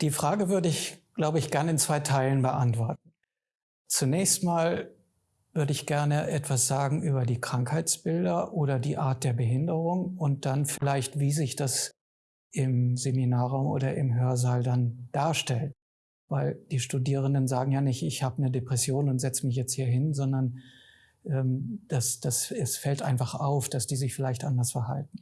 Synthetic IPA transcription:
d̥iːfʁ̥aːɡəvʏɐdəɪçɡ̥laʊbəɪçɡ̥ɛɐnəɪnt͡sv̥aɪtʰaɪlənbəʔantv̥ɔɐt̚n̩ | t͡sunɛːçstmaːl | vʏɐdəɪçɡ̥ɛɐnəʔɛtv̥asz̥aːɡŋ̩ʔyːbɐdiːkʁ̥aŋkhaɪt͡sb̥ɪldɐʔoːɾɐdiːʔaːɐt̚d̥eːɐbəɦɪndəʁʊŋʊnt̚d̥anfɪlaɪçtv̥iːzɪçd̥as | ʔɪmzeminaːʁʊmʔo̰ːdɐʔɪ̰mɦøːɐzaːldand̥aːɐʃtɛlt | vaɪld̥iːʃtudiːʁ̞əndənzaːɡŋ̩jaːnɪçtɪçhaːbənədepʁ̥ɛsjoːnʊntz̥ɛt͡səmɪç̬jɛt͡sthiːɐɦɪnzɔndɐn | ʔɛːmd̥asd̥asɛsfɛltʔaɪnfaχaʊfd̥asd̥iːzɪçfɪlaɪçtʔandɐsfɛɐɦa̰lt̚n̩

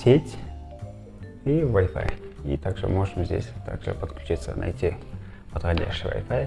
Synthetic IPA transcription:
sʲetʲ | ivɐjfa̰jḭt̪aɡʐɨ̰moʐɨmzʲdʲesʲt̪aɡʐɨ̰pət̪klʲʊt͡ɕit̪sə̰na̰jtʲi | pət̪xɐdʲa̰ɕɪjvɐ̰jfaj

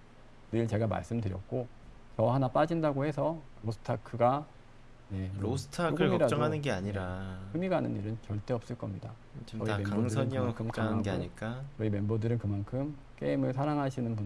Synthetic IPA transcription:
nɯɭt͡ɕe̞ɡama̰ɭs͈ɯmdɯɾjʌk̚k͈o | t͡ɕʌɦanap͈ad͡ʑindaɡohe̞sʰʌ | ɾosʰɯ̥tʰakʰɯɡa | ne̞ɾosʰɯ̥tʰakʰɯɭkiɾat͡ɕ͈ʌŋɦanɯnɡe̞aɲiɾaɯmiɡanɯniɾɯnt͡ɕʌɭt͈e̞ʌp̚s͈ɯɭk͈ʌmɲida | t͡ɕiʌimemaoŋsɯʌɲʌɡɯɭkɯmt͡ɕ͈anɡeaɲik͈at͡ɕʌime̞mbodɯɾɯnkɯmankʰɯm | k͈e̞imɯɭsʰaɾaŋɦaɕʰinɯnbu

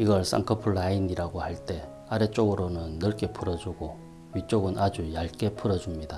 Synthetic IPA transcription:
iɡʌɭs͈a̰ŋkʰʌpʰuɭːainiɾaɡohaɭt͈e̞ | aɾet͡ɕ͈oɡɯɾonɯnːɯɭk͈e̞pʰɯɾʌd͡ʑuɡo | ɥit͡ɕ͈oɡɯnad͡ʑujaɭk͈e̞pʰɯɾʌd͡ʑumɲida

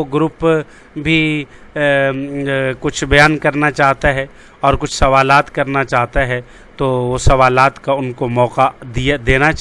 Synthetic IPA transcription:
oɡɾʊp | bʱi | kʊt͡ʃʰbɐjaːnkɐɾnat͡ʃaːɦt̪aɦɛ | ɔːɾkʊt͡ʃʰsɐʋaːlaːt̪kɐɾnat͡ʃaːɦt̪aɦɛ | t̪oʋosɐʋaːlaːt̪kaʊnkomɔːqad̪iad̪eːna

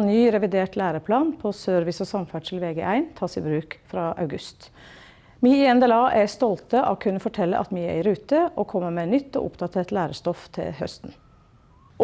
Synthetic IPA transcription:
nyːɾɛʋɪd̪eːʈlæːɾəpʰlɑːnpʰɔsøːɾʋɪsɔsɑmfæɖʂɪlʋeːɡɛ̰ʔæɪnt̪ʰɑːsɪ̰bɾʉːkfɾɑːʔɑ̰ʉɡʉst̪ | miːɪɛnd̪ɛlɑːʔɛst̪ɔlt̪əʔɑkʰʉnːəfɔʈʰɛlːə̰ʔɑ̰t̪miːɛ̰ɾɪɾʉːt̪əʔɔkʰɔmːəmeːnʏt̪ːɔ̰ʔʊ̰pd̪ɑt̪ʰeːʈ̪læːɾəʂt̪ɔft̪ʰɪ̰lhœ̰st̪n

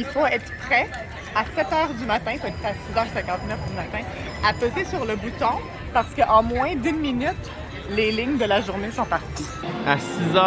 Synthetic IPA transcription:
ilfoɛt̪χəpχɛ | asɛt̪œːʁd̪ymat̪ɛ̃ilfoɛt̪pχɛasizœːʁsɛ̃kɑ̃t̪nœfd̪ymat̪ɛ̃ | apøzesyʁləbut̪ɔ̃ | paʁsə̥kəʔɑ̃mwɛ̃d̪ynminyt̪ | lelɪɲd̪əlaʒuʁnesɔ̃paʁt̪i | asizœ

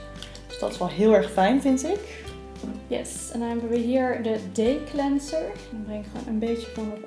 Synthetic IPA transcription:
d̥ø̥sd̥ɑ̰tɪ̥sʋɛlˠɦɪːlˠɛɹχfɛjnvɪntɪk | jɛ̰s | ɛ̃najmbəɹiɦiːɹdədejklɛnsəɹ | ɛnbrɛŋɪkχʋo̰ːnʔənbejtəfɔnəɹ

